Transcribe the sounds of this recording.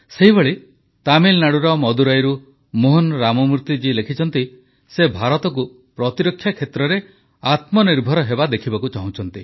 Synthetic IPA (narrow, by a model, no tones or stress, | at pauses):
seɦiboɭe | t̪amilnaɽuɾɔmɔd̪uɾajɾu | moɦonɾamɔmuɾt̪id͡ʒilekʰit͡ʃʰɔnt̪i | sebʱaɾɔt̪ɔk̬u | pɾɔt̪iɾɔkʰːjakʰet̪ɾɔɾe | at̪mɔniɾbʱɔɾɔɦebad̪ekʰibakut͡ʃaɦũt͡ʃʰɔnt̪i